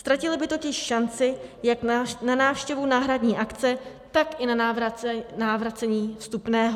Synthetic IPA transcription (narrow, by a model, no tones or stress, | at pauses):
st̪ɾacɪlɪbɪt̪o̞cɪʃʃant͡sɪjaknanaːfʃcɛvunaːɦɾadɲiːʔakt͡sɛ | t̪akʔɪna | naːvɾat͡sɛɲiːfst̪upnɛːɦo